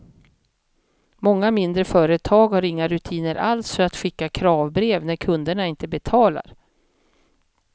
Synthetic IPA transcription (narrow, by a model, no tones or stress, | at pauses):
mɔŋːamɪnd̪ɾəfœːɾət̪ʰɑːɡhaɾɪŋːaɾɵt̪ʰiːnəɾʔalsfœɾat̪ɧɪkːakʰɾɑːvbɾeːvnæɾkʰɵnd̪əɳaɪnt̪əbɛt̪ʰɑːla̰ɾ